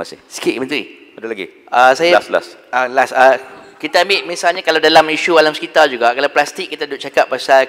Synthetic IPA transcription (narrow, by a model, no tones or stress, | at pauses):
ma̰sisi̥kit̪mənt̪ɾḭ | adulaɡḭ | asajasla̰salasakit̪aːmɪt̪̚mĩsalɲakalawdalamiʃualamskit̪ard͡ʒuɡakalawplast̪ik̚ːit̪adʊp̚t͡ʃakap̚pːasal